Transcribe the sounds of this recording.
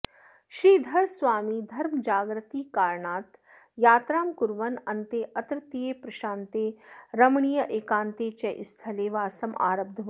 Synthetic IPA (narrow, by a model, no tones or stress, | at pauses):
ʃɾiːd̪ʱɐɾsʋaːmiːd̪ʱɐɾmd͡ʒaːɡɾət̪iːkaːɾɳaːt̪ | jaːt̪ɾaːmkʊɾʋɐnɐnt̪eːʔɐt̪ɾət̪ijeːpɾɐʃãːnt̪eːɾɐmɳijəʔeːkãːnt̪eːt͡ʃɛʔɪst̪ʰɐleːʋaːsɐma̰ːɾɐb̚d̪ʱɐʋ